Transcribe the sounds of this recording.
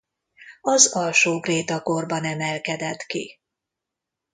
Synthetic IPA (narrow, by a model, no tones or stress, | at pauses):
ɒzɒlʃoːkreːt̪ɒko̞rbɒnɛmɛlkɛd̪ɛt̪kḭ